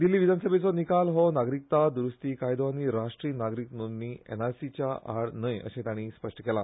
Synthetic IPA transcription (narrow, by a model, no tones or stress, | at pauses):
d̪ilːiʋid̪ʱanəsəbʱet͡sɔnikalɦɔnaɡɾik̚t̪ad̪uɾust̪iːkajd̪ɔʋaniːɾaʂʈɾiːnaɡɾikmənːiːɛ̰naɾsit͡ɕjaʔa̰ɽnəjə̰ɕẽt̪jaɽ̃iːspəʂʈəkɛla